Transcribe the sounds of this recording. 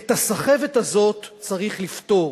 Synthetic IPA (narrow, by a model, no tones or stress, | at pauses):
et̪asaχe̞vet̪azo̞tt͡saʁiχlift̪o̞